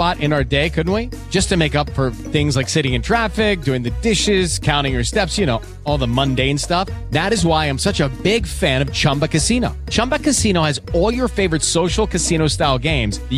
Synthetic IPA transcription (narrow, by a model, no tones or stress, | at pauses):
ɑɾʔɨ̃naʊə˞deɪkʰʊdⁿn̩t̚wi̥d͡ʒ̥ʌstʰɨmeɪkʌpfə˞ | θɪ̃ŋzlaɪksɪɾɪ̃ŋɨ̃ntʰɹ̥æfɪk̚d̥ʉɪ̃ŋðɨdɪʃɪz̥kʰãʊ̃ɾ̃ɪ̃ŋjə˞stɛpsjɨñoʊ | ɔlˠðəmʌ̃ndeɪɨ̃nstʌfðæɾɨzwaɪãɪ̃msʌt͡ʃəbɪɡfæ̃ɾ̃ʌv̥t͡ʃʰʌ̃mbɨkɨsĩnoʊt͡ʃʰʌ̃mbəkɨsĩñoʊɨzɔlˠjə˞feɪvə˞ɨtsoʊʃl̩ˠkʰɨsĩñoʊstaɪlˠɡẽɪ̃mz̥